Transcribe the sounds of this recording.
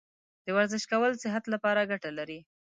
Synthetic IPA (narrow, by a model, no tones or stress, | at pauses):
d̪̥əwaɾzɪʃkawəlsɪɦat̪lapɑɾaɡaʈalaɾi